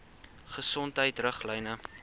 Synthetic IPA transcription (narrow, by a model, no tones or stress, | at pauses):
χəsɔntɦəjtrəχləjnə